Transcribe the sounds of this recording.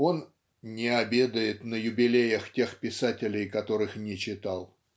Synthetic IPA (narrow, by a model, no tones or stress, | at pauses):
o̞n | nʲɪɐbʲe̞d̪əjɪt̪nəjʊbʲɪlʲejəxtʲe̞xpʲɪsatʲɪlʲɪjkɐt̪o̞ɾɨxnʲɪt͡ɕɪt̪ɑlˠ